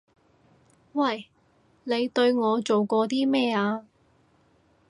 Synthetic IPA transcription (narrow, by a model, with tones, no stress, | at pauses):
wɐ˨j | ne˨˧jt̪ɵ˧ɥŋɔː˨˧t͡ʃo˨wkɔː˧t̪iː˥mɛː˥aː˧